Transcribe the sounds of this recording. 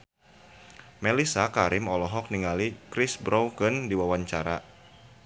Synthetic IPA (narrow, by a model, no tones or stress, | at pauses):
mɛlisakaɾɪmɔlɔɦɔk̚niŋalikɾɪsbɾɔwkəndiwawaɲt͡ʃaɾa